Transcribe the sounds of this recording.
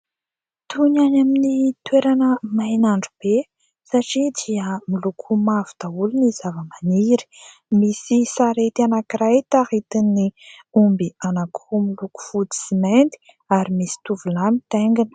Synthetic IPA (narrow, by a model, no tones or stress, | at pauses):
t̪unanaminit̪weɾanəmajnaɳɖ͡ʐub̥e | saʈ͡ʂid̪iəmilukʰumavu̥t̪auluniz̥avəmaniɾi̥ | misisaɾet̪ianakirajt̪ahit̪inːiumbianaku̥umiluku̥fut͡si̥siment̪i̥ | aɾimisi̥t̪uvulamit̪eŋɡinə̥